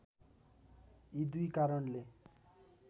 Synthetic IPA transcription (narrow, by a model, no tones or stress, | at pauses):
id̪ujkaɾʌnle